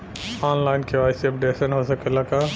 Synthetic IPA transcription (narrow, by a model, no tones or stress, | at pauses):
aːnlaːɪnkʰeʋaːɪsiɐp̚ɖeːsənɦosɐkelakaː